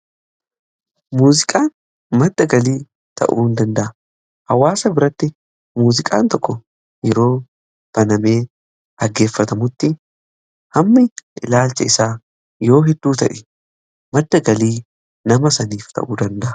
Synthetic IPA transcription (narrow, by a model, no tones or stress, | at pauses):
muːzɪkʼaːn | mɐd̪ːɐɡɐliː | t̪ʰɐ̰ʔṵːnd̪ɐnd̪ɐʔɐ | hɐwːaːsɐbɪɾɐt̪ːɪ | muːzɪkʼa̰ːnt̪ɔkːɔ | jɛɾo̞ː | t̪ɐnɐme̞ː | ɐɡːe̞ːfːɐt̪ɐmʊt̪ːɪ | hɐmːɪʔɪlaːlt͡ʃɐɪsaː | jo̞ːɦɛd̪ːuːt̪ɐʔɛ̥ | mɐd̪ːɐɡɐliː | nɐmɐsɐniːft̪ʰɐ̰ʔuːd̪ɐnd̪ɐʔɐ̥